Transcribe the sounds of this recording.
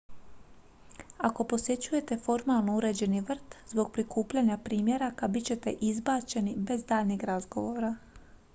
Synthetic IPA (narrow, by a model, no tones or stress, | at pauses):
ako̞po̞sje̞t͡ɕuje̞t̪e̞fo̞ɾmalˠnouɾe̞d͡ʑe̞niʋr̩t̪zbo̞ɡ̚pɾikuːpʎaɲapɾiːmje̞ɾakabit͡ɕe̞t̪e̞ʔizbaːt͡ʃe̞nibe̞zd̪aːʎniɡɾazɡo̞ʋo̞ːɾa